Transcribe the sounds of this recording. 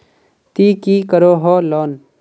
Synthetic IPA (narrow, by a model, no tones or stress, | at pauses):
t̪iːkiːkəɾoːɦoːlɔːn